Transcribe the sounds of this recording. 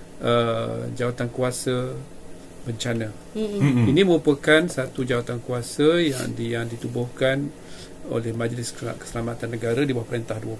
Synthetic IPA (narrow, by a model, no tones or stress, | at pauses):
ʔəd͡ʒawat̪ankuasə | bəɲt͡ʃanə̃ | inĩmə̃ɾupəkansat̪ud͡ʒawat̪ankuasəja̰ŋdjaŋdit̪ubʊhkan | o̰lɛhmãd͡ʒlɪska̰kə̥səlamat̪anːəɡaɾadibawahpəɾent̪ahduə